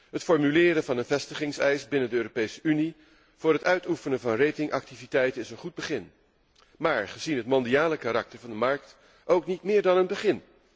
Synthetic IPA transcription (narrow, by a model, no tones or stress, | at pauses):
ɦətfɔɹmylɪːɾənvɑnənvɛstəχɪŋsɛjsbɪnəndəøːropejsəʔyni | v̥ʊːɹɾɦətœɥtufənənvɑnrejtɪŋʔɑ̰k̚tivitɛjtənɪsənχud̚bəχɪn | maːɹχəzinɦətmɔndiaːləkaɾɑk̚təɹvɑndəmɑɹk̚t | ʔowknitmɪːɹdɑnənbəχɪn